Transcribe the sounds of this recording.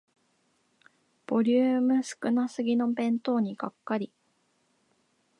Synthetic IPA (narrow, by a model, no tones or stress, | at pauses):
b̥o̞ɾʲɨːmɯ̟sɨ̥kɯ̟nasɨɡʲino̞bẽ̞nt̪o̞ːɲ̟iɡakːaɾʲi